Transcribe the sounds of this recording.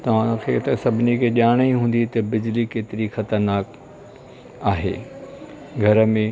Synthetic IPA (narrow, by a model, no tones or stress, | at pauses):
t̪ɐʋ̤ãkʰeːt̪ɐsɐbʱɪnikʰeːʄaːɽ̃iɦũːn̆d̪it̪ɐbɪd͡ʑlikeːt̪ɪɾixɐt̪əɾnaːk | aːɦḛː | ɡʱɐɾəmẽ